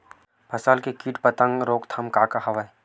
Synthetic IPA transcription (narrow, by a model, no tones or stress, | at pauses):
bʰʱɐsaːlkekiːʈpət̪ə̃ŋɡɾoːkt̪ʰɐmkaːkaɦɐʋae